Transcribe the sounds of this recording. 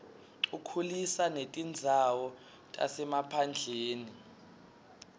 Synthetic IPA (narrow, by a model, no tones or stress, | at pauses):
ukʰulisanetʼind͡zʱawɔ | tʼa̰sɛmapʰand͡ɮʱeːni